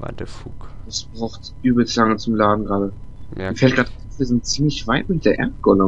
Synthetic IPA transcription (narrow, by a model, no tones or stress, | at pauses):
va̰dɛfukd̥asb̥ʁaʊxtʔyːbəl̩slaŋət͡sʊmlaːdn̩ɡʁaːɾə | miːɐfɛlt̚ɡ̥ʁaːtaʊfv̥iɐzɪnt̚t͡siːmlɪçv̥aɪtmɪt̚d̥eːɐʔɛ̰ɐtɡ̥ɔnə